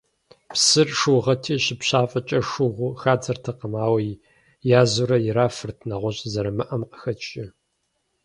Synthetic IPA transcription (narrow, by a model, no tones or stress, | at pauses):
psɨrʂuʁɐtʰiːɕɪpɕaːfʼɐt͡ʃʼɐʂʊʁʷʊxaːd͡zɐrtʰɐqəmaːwɐj | jaːzuɾɐjɪɾaːfɨrtʰnɐʁʷɔɕʼzɐɾɐmɨʔɐmqə̥xɐt͡ʃʼɪ